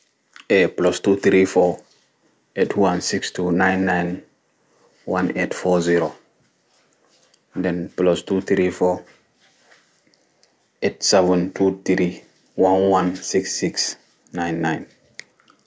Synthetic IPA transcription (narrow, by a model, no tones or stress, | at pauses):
eplɔstut̪ɾifɔ | etʰwãnsikstunãjnːãjn | wãnetfɔziɾo | dɛ̃nplɔstut̪ɾifɔ | etsɛvə̃ntʰut̪ɾi | wãnwãnsiksːiks | nãjnːãjn